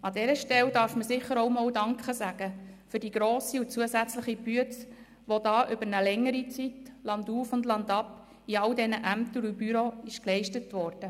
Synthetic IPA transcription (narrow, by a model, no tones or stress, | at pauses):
ɑdɛɾəʃtɛldɑːɾfməsɪχəɾoʊmɔːldɑŋkχəsæɡ̥əfyɾdiːɡ̥ɾoːsiʊt͡suəsæt͡sləχibyəs | ʋodɑːʔʏbəɾnəlɛŋːəɾit͡sitlɑnduːfʊndlɑndɑp | iɑldɛnəʔæmt̪əɾubyɾoɪʃklɛɪʃtətʋɔɾd̥ə